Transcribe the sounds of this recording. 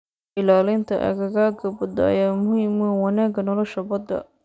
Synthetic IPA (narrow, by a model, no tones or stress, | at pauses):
ʔɪlaːlɪnt̪ʰɐ̰ʔɐ̰ɣɐɣaːɡɐbɐd̪ɐɐ̰jaːmʊhiːmuwɑnaːɡɐnɔlɔʃɐbɐd̪ɐ̰